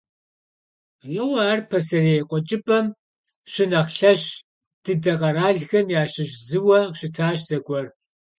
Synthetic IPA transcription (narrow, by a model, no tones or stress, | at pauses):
jɪwɐːrpʰɐsɐreqʷʼɔt͡ʃʼɪpʼɐm | ɕɪnɐxɬɐɕ | d̥ɨdɐqɐraːɮɣɐmjaːɕɪʒzɨwɐʃɪtʰaːɕz̥ɐɡʷʼɔr